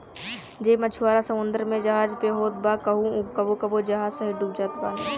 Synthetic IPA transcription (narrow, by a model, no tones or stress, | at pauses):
d͡ʒeːmɐt͡ʃʰuwaːɾasɐmʊnd̪əɾmẽd͡ʒɐɦaːd͡ʒpeɦoːt̪̚baːkɐɦũkɐbokɐbod͡ʒɐɦaːsɐɦiɖuːb̚d͡ʒaːt̪baː